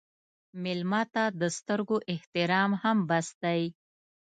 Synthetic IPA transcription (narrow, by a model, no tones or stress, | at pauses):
mɪlmɑt̪ad̪əst̪əɾɡoʔɪht̪ɪɾɑmhambasd̪aj